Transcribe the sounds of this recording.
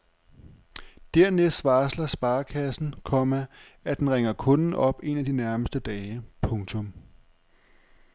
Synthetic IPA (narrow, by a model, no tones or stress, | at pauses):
d̥æɐ̰nesʋɑ̈ːslɐsb̥ɑ̈ːkʰæsn̩kʰɒ̽mæ | æd̥enʁeŋɐkʰɔ̽nn̩ʔɒ̽b̥e̝næd̥inæɐməsd̥əd̥ɛːpʰɔ̽ŋt͡sʰɔ̽m